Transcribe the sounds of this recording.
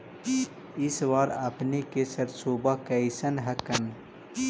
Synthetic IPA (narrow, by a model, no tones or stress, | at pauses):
ɪsʋaːɾapnekesɐɾsoːbakəɪsənɦɐkən